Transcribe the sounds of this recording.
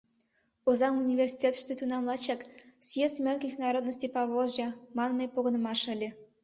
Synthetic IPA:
ozɑmunʲivʲersʲi̥tʲet̪ʃt̪et̪unɑmlˠɑt͡ɕɑksjest̪mʲelʲkʲixnɑɾod̪nəsʲt̪ʲipɑβozʒɑmɑnmɤjpoɣɤnəmɑʃə̆lʲe

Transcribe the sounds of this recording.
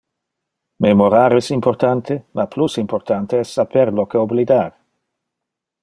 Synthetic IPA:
memoɾaːɾɛsimport̪ant̪ʰemʔaplusimport̪ant̪eɛsːapeɾlokeoblid̪aːɾ

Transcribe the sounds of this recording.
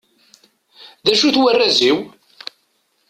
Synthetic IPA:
ðæʃuθwərːæziw

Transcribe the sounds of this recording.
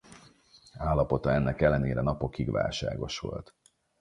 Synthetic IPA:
aːlːɒpo̞t̪ɒɛnːɛkɛlːɛneːɾɛnɒpo̞kːiɡʋa̰ːlʃa̰ːɡo̞̰ʃʋo̞lt̪

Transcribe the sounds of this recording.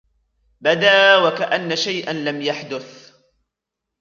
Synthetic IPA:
bad̪aːwakaʔanːaʃajʔanlamjaħd̪ʊθ

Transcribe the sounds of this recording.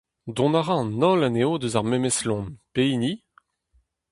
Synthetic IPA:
d̪ɔ̃naʁɑ̃nɔlaneod̪øzaʁmɛmɛslɔ̃npeini

